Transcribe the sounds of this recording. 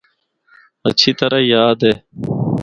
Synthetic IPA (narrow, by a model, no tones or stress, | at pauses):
ət͡ʃʰiːt̪əɾajaːd̪eː